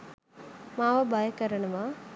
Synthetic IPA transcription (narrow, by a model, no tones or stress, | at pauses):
maːʋɐbaːjɐkɐɾɐɳɐma